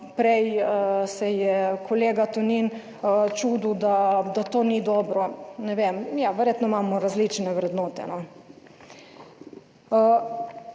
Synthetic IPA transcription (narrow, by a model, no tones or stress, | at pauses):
pɾɛjsɛjɛkʰoleːɡat̪unin | t͡ʃuːd̪ud̪ad̪at̪oːnid̪ɔːbɾɔnɛʋemjaʋɛɾjeːt̪nɔimaːmɔɾazlit͡ʃnɛʋɾɛd̪nɔːt̪ɛ̰nɔ